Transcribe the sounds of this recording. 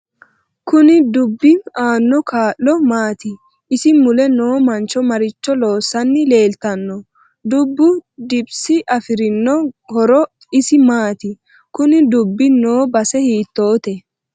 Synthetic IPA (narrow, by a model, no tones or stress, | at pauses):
kʊnɪd̪ʊbːɪaːnːɔkʰaːʔːɔmaːt̪ɪ | ɪsɪmʊlɛno̞ːmɐnt͡ʃːɔmɐɾɪt͡ʃːɔlo̞ːsːɐnːɪle̞ːlt̪ɐnːɔ | d̪ʊbːʊd̪ɪbsɪʔɐfɪɾɪnːɔhɔɾɔ | ɪsɪmaːt̪ɪ | kʊnɪd̪ʊbːɪnoːbɐsɛhiːt̪ːo̞ːt̪ɛ